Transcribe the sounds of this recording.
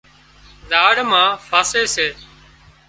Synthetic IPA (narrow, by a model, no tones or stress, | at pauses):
zaːɽmãːfʰaːseːseː